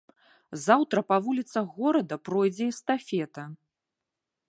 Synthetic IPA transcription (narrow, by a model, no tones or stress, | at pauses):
zawt̪ɾɐpavulʲit̪sɐɣɔɾɐd̪ɐpɾɔjd͡zʲɛist̪afʲɛt̪ɐ